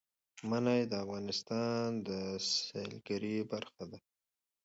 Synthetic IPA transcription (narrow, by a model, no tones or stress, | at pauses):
manajd̪əafɣɑnɪst̪ɑnd̪əsḛlɡaɾibaɾxad̪a